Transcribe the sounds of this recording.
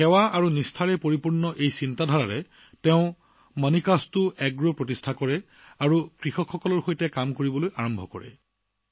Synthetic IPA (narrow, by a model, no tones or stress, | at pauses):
xɛwaaɹunistʰaɹɛpoɹipuɹnɔʔejsintadʱaɹaɹɛ | tɛʊ̃ | manikastʊɛɡɹopɹotistʰakɔɹɛ | aɹukɹixɔkʰxɔkɔlɔɹxojtɛkamkoɹibɔlojaɹɔmbʱɔkɔ̰ɹɛ̰